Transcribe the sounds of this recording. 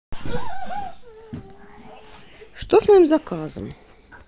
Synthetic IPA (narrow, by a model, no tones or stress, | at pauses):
ʂt̪osmɐimzɐkazə̰m